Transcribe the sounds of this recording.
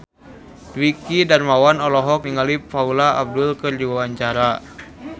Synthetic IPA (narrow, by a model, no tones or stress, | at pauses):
dwikidarmawanɔlɔɦɔk̚niŋalipfaulaa̰b̚dulkɨrdiwawaɲt͡ʃaɾa